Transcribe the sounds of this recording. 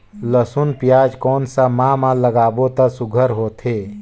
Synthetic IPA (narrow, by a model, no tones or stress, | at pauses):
ləsunpɪjaːd͡ʒkɔːnsamãːmãləɡaːbot̪asʊɡʱəɾɦoːt̪ʰeː